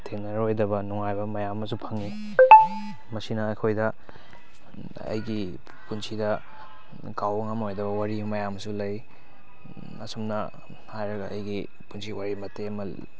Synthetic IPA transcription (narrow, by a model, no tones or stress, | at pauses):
tʰenɐɾojdɐβɐnuŋajbɐmɐjamːɐs̬upʰɐŋi | mɐsinɐːjkʰojdɐ | ɐ̰jɡi | punsʰidɐ | kawɐŋamɦojdɐβɐwaɾibmɐjamɐsulɐj | ɐsumnɐ | hajɾɐɡɐɐjɡi | punsʰiwaɾimɐtemɐl